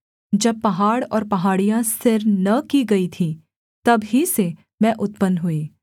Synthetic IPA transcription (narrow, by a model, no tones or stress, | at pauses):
d͡ʒɐb̚pɐɦaːɽɔ̰ːɾpɐɦaːɽijãsɪɾnɐkiɡɐit̪ʰi | t̪ɐbɦise | mɛ̃ʔʊt̪pənɦueː